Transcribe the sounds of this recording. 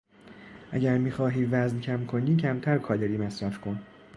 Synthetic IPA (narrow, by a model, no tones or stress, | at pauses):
ʔæ̰ɟæɾmiχɒːɦiːvæzncʰæmkʰo̞niːcʰæmt̪ʰæɾkʰɒːd̪eɾiːmesɾɒfkʰon